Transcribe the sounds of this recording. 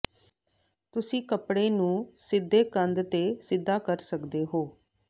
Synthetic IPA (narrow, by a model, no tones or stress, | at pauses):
t̪ʊsĩːkəpɽeːnũːsɪd̪ʱːeːkənd̪t̪eːsɪd̪ːaːkəɾsəkd̪eːɦoː